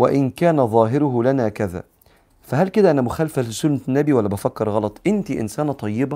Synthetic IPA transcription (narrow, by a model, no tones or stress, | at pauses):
wæʔɪnkæːnæðˤɑːɦɪɾʊɦlænæːkæðæ̰ː | fæɦælked̪æʔænæmʊxæːlfælɪsʊlmnːæbiwælːæbæfækːɑɾɣɑlɑt̪ˤʔɪnt̪iʔɪ̰nsæːnæt̪ˤɑjːɪbæ